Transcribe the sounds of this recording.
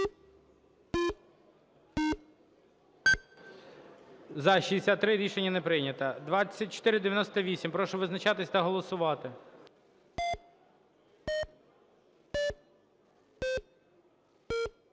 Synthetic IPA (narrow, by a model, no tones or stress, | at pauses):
zɐʃiesʲat̪ːɾɪɾʲiʃenʲːɐnepɾɪjnʲɐt̪ɐd̪ʋɑt͡sʲːɐt̚ʲt͡ʃɔ̥t̪ɪɾɪd̪eʋʲjɐnɔst̪ɐʋʲisʲimpɾɔʃɔʋɪznɐt͡ʃɑt̪ɪsʲt̪ɐɦɔlˠɔsʊʋɑt̪ɪ